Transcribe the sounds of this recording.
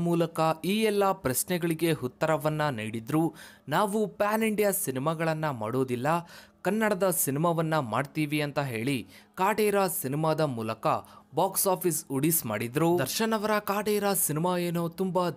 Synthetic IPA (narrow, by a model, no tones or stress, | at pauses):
muːlɐkɐiːɛlːɐpɾɐsnɛɡɐɭiɡe̞ɦut̪ːɐɾɐʋɐnːɐniːɽid̪ɾuːnaːʋupaːniɳɖijɐsinimaɡɐɭɐnːɐma̰ːɽoːd̪ilːɐkɐnːɐɽɐd̪ɐsinimaʋɐnːɐmaːɖt̪iːʋiɐnt̪ɐɦe̞ːɭikaːʈɛːɾɐsinimaːd̪ɐmuːlɐkɐbaːksaːpʰisuɽisma̰ːɽid̪ɾuːd̪ɐɾʃɐnɐʋɐɾɐkaːʈɛːjɾɐsinimaːeːnoːt̪umba